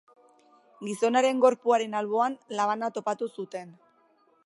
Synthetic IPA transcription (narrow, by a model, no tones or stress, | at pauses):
ɡiso̞naɾe̞ŋɡo̞ɾpuaɾe̞nalβo̞anlaβanat̪o̞pat̪usut̪e̞n